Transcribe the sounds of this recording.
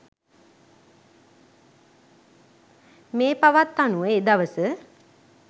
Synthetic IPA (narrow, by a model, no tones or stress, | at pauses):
meːpaʋat̪ːanuəed̪aʋəsə